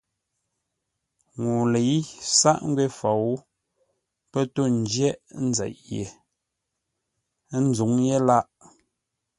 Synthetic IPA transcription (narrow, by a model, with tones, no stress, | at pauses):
ŋu˨le˨i˦sa˦ʔŋ̩˦ɡwe˦fa˨wu˦ | pɛ˦to˦˨n̩˦d͡ʒjɛ˦ʔn̩˦zɛ̰˨ʔjḛ˨˦ | n̩˦d͡zu˨˦ŋje˦la˦ʔ